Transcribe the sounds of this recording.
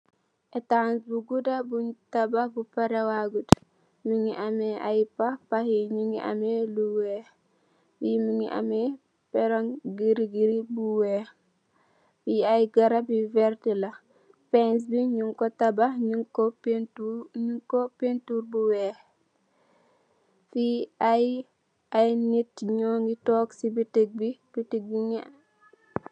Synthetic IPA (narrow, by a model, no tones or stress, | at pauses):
ʔɛtansbuɡudabuɲtabahbupaɾewaɡut | miŋiʔamɛʔajpahpahiɲuŋiʔa̰meluwɛ | jimiŋḭʔa̰mɛ | pɛɾɔŋɡiɾiɡiɾibuwɛ | jiajɡɐɾabivɛɾtila | fɛns̬biɲuŋkɔtabaɲukptuɲuŋkɔpentuɾbuwɛ | fiaj | ajnitɲɔːŋɡitɔːksibiteɡ̚bib̥itiɡ̚biŋi